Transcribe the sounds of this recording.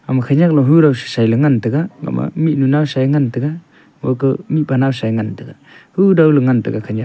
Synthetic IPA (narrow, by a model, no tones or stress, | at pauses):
amakʰaɲak̚lɔɦuɾawsɯ̥sajlɯŋantɯɡaŋa̰ma̰miʔ̚nunawsajŋant̪ɯɡa | wɔ̰kəmipanawsajŋant̪ɯɡa | huɾawləŋantɯɡakʰaɲa